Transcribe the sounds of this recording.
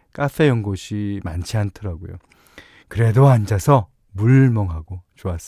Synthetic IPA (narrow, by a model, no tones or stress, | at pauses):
k͈afʰe̞jʌŋɡoɕʰimant͡ɕʰiantʰɯɾaɡo̰jo̰ | kɯɾe̞doand͡ʑasʰʌ | muɭmʌŋɦaɡot͡ɕoas͈